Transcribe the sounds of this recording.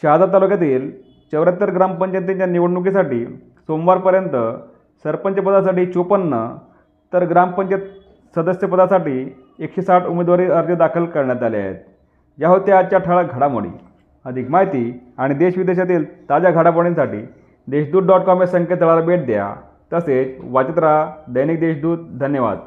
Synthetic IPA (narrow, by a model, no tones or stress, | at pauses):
ɕad͡z̪at̪alukjat̪̬iːl | t͡ɕəʋɾət̪ːəɾɡɾampəɲt͡ɕənt̪̬iɲt͡ɕjaniʋəɽɳuk̬isaʈiː | somʋaɾpəɾjənt̪ə | səɾpəɲt͡ɕəpəd̪asaʈiːt͡ɕupənːə | t̪əɾɡɾampəɲt͡ɕet̪ | səd̪əsjəpəd̪asaʈiː | ekɕesaʈumed̪ʋaɾiːəɾd͡ʑəd̪akʰəlkəɾɳjat̪alea̰ɦḛt̪̚ | jaɦot̪jat͡ɕjaʈʰəɭaɡʱəɽamo̰ɽḭː | əd̪ʱikmaɦit̪iːaɽ̃id̪eɕʋid̪eɕat̪iːlt̪ad͡ʑjaɡʱaɽapəɽinsaʈḭː | d̪eɕd̪uːt̪̚ɖɔʈkɔmesəŋket̪əɭaɾbeʈ̚d̪eja̰ | t̪əset͡sʋat͡ɕət̪ɾad̪əjnik̚d̪eɕd̪uːt̪̚d̪ʱənjəʋa̰d̪